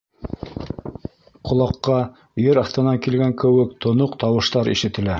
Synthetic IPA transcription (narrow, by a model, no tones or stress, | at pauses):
qʰŏlˠɑqːɑ | jɘɾɑθt̪ɤ̆nɑŋkilɡæŋkɘ̆wɘkt̪ʰŏnoqt̪ɑwɤ̆ʃt̪ɑɾḭʃɘ̆t̪ɘ̆læ